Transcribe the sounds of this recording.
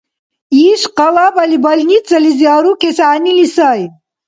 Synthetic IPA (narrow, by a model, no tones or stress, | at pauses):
iʂqɐwabɐlibɐlnit̪zɐlizjaːɾukesaːnilisaj